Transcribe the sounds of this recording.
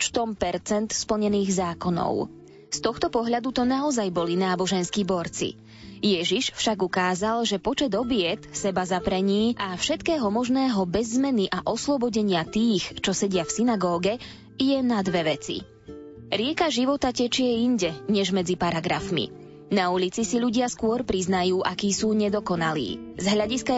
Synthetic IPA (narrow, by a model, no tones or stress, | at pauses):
t͡ʃt̪ɔmpɛɾt͡sɛnt̪spl̩ɲɛniːɣzaːkɔnɔ̰ʊ | st̪ɔxt̪ɔpɔɦʎad̪ut̪ɔnaɔzajbɔlinaːbɔʒɛnskibɔɾt͡sḭ | jɛʒiʃfʃaɡukaːzalʒɛpɔt͡ʃɛd̪ɔbɪɛt̪sɛbazapɾɛɲiːʔafʃɛt̪kɛːɦɔmɔʒnɛːɦɔbɛzːmɛniʔaʔɔslɔbɔɟɛɲɪat̪iːxt͡ʃɔsɛɟɪafsinaɡɔːɡɛ | jɛnad̪ʋɛʋɛt͡sḭ | ɾɪɛkaʒiʋɔt̪acɛt͡ʃɪɛiɲɟɛɲɛʒmɛd͡zipaɾaɡɾafmḭ | naulit͡sisiʎuɟɪaskʊɔɾpɾiznajuːʔakiːsuːɲɛd̪ɔkɔnalḭːzɦlʎaɟiska